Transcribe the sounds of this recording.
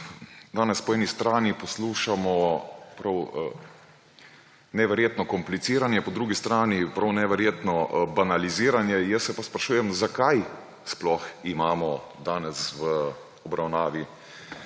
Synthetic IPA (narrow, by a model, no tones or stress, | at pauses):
d̪aːnɛspɔɛːnist̪ɾaːnipɔsluːʃamɔpɾaw | nɛʋɛɾjeːt̪nɔkɔmplit̪siːɾanjɛpɔd̪ɾuːɡist̪ɾaːnipɾawnɛʋɛɾjeːt̪nɔbanaliziːɾanjɛjəsːɛpaspɾaʃuːjɛmzakaj | splɔximaːmɔ | d̪aːnɛsʋə | ɔbɾawnaːʋi